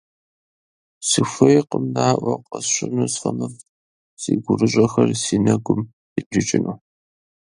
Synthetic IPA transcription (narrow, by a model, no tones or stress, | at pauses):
sɨfʷɐjqəmnaːʔʷɐqɐsɕʷɪnusfɐmɨf | siːɡʷʊrɨɕʼɐxɐrsiːnɐɡʷʊm | iɪt͡ʃʼɪnuː